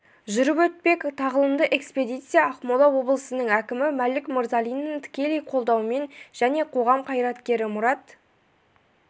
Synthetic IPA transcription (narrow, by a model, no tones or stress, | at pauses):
ʒʏɾɪpɵt̪̚pe̞kt̪ʰɑʁəlˠənd̪əʔe̞kspe̞d̪ijt̪sɨjɑɑqmolˠɑwo̞blˠəsənəɴækʲɪmɪmælɪkməɾzɑlʲˠijnːəŋt̪ʰɪ̥kʲe̞lejqʰo̞lˠd̪ɑwme̞nʒ̥æne̞qʰo̞ʁɑmqʰɑjɾɑt̪kʲe̞ɾɪmʊɾɑt̪